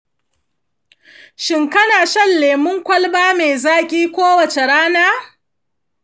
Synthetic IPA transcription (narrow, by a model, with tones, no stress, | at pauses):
ʃɪ˨ŋkɐ˦naː˨ʃɐ˦lːeː˨mʊ˦ŋkʷɐ˦lbaː˦meː˨zaː˦kʲʼiː˦kʷoː˦wɐ˨t͡ʃe˨ɽaː˦naː˦